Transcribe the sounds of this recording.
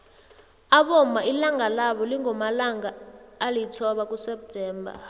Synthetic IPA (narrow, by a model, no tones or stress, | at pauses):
aɓɔmailaŋalaɓɔliŋɔmalaŋaːlitʰɔɓak̬ʼusɛp̚tʰɛːmbʱa̰